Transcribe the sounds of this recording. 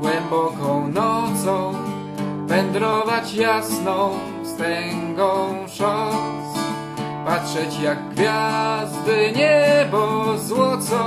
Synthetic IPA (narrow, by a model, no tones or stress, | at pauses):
ɡwɛmbɔkɔ̃w̃nɔd̪zɔ̃w̃ | vɛnd̪ɾɔvat͡ɕjasnɔ̃w̃ | st̪ɛŋɡɔ̃w̃ʂɔs | patʂɛt͡ɕjaɡ̚ɡvʲjazd̪ɘɲɛbɔzwɔt̪sɔ